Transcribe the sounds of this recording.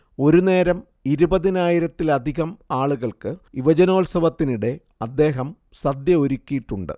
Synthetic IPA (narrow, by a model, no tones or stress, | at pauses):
o̞ɾune̞ːɾɐm | iɾubɐðinaːjiɾɐt̪ːilɐd̪ʱiɣɐmaːɭuɣɐɭkɨiʋɐd͡ʑɐno̞ːlsɐʋɐt̪ːiniɽe̞ | ɐd̪ːe̞ːɦɐm | sɐd̪jɐoɾukʲːijiʈːuɳɖɨ̰